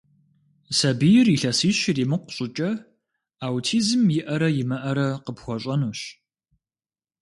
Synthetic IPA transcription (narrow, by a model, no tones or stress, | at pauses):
sɐbijɪriɬɐsiːɕɪriːmɨqʷʊ̥ɕʼɪt͡ʃʼɐ | awtʰiːzɨmjɪʔɐɾɐjɪmɐʔɐɾɐqəpxʷɔɕʼɐnuːɕ